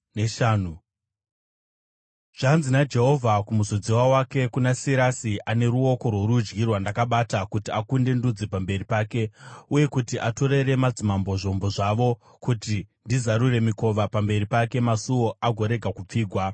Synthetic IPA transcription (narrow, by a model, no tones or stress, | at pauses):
ʃanu | ʐ̥anzinad͡ʒe̞ɦo̞vʱakumuzod͡zewawake̞kunasiɾasiʔane̞ɾuo̞ko̞rwoɾud͡ʒɡirwandakaɓatakutiakunde̞ndud͡zepambe̞ripaːke̞uje̞kutiʔato̞ɾe̞ɾe̞mad͡zimambo̞ʐo̞mbo̞ʐaʋo̞ | kutindizaɾure̞miko̞ʋapambe̞ɾipake̞masuwoaɡʱo̞ɾe̞ɡʱakup͡fiːɡʱwa